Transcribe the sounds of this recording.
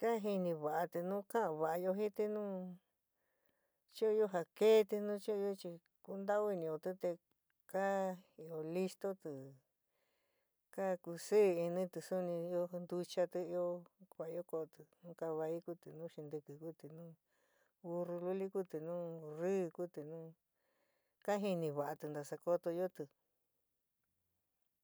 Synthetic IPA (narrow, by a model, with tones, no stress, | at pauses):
ka˦ɦi˧nĩ˧βa˨ʔa˧t̪ɨ˧nũ˦kã˦ã˧βa˨a˧jo˧ɦĩ˦t̪i˧nũː˦ | t͡ʃi˦o˧jo˦ɦa˧ke˦t̪i˧nũ˦t͡ʃi˦o˦˧o˦˧t͡ʃi˧ | ku˧nd̪a˦o˦i˧nĩ˧o˧t̪ɨ˧˦t̪e˧ | ka˦i˧o˧li˧st̪o˦t̪ɨ˨ | ka˦ku˧si˦˧i˧nĩ˦t̪ɨ˧su˦nĩ˧jo˦nd̪u˧t͡ʃa˧t̪ɨ˧i˧o˧˦kʷa˨i˧˦o˦ko˧t̪ɨ˧˨nũː˦ka˧βa˧i˦ku˦t̪ɨ˨nũː˦ʃi˧nd̪ɨ˧kɨ˧ku˦t̪i˨nũː˦ | u˧ru˧lu˦li˦ku˦t̪ɨ˨nũː˦rɨː˦ku˦t̪ɨ˧nũː˦ | ka˦ɦi˧nĩ˧βa˨ʔa˧t̪ɨ˧nd̪a˧sa˧ko˧t̪o˧jo˦t̪ɨ˧